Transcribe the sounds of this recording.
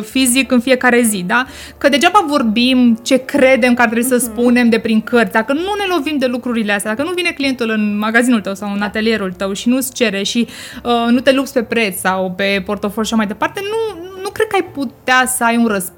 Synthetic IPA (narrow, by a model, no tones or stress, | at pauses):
fizikɨnfije̞kaɾe̞zid̪a | kəd̪e̞d͡ʒabavo̞rbimt͡ʃe̞kɾe̞d̪e̞mkəart̪ɾebuisəspune̞md̪e̞pɾiŋkərt̪ʲd̪akənune̞lo̞vimd̪e̞lukɾuɾile̞ast̪ad̪akənuvine̞klije̞nt̪ulɨnmaɡazinult̪əwsawɨnat̪e̞lije̞ɾult̪əwʃinust͡ʃe̞ɾe̞ʃiənut̪e̞lupsʲpe̞pɾe̞t̪ssawpe̞po̞rt̪o̞folʲʃaʃamajd̪e̞part̪e̞nunukɾd̪̚kəajput̪easəajunrəs